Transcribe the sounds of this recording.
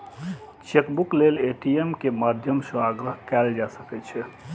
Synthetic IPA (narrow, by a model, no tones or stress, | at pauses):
t͡ʃekbukleleʈiemkemad̪ʱjəmsə̃aɡɾəɦkɛld͡ʒasəkɛt͡ʃʰɛ